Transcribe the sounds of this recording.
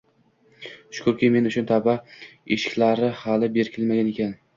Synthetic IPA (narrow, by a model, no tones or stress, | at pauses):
ʃʊ̥kʰʊɾkʲime̞nʊʃʊnt̪ʰabaeʃɪ̥kʲlaɾɪhalɪbe̞ɾkʲʰɪlmaɡʲane̞kʲan